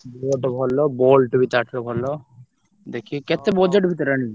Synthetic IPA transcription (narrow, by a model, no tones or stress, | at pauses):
boʈbʱɔlɔbolʈbʱit̪aʈʰɾɔbʱɔlɔ | d̪ekʰikɛt̪ebɔd͡ʒeʈbʱit̪ɔɾani